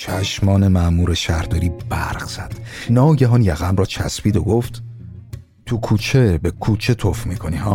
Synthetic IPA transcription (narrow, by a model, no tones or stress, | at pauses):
t͡ʃʰæʃmɒːnemæmuːɾeʃæɾd̪ɒːɾiːb̥æɾɣz̥æd̪̥nɒːɟæɦɒːnjæɣæmrɒːt͡ʃʰæ̰spiːd̪oɡo̞ft̪ | t̪ʰukʰuːt͡ʃʰebekʰuːt͡ʃʰe̞t̪ʰofmiːkʰonihɒː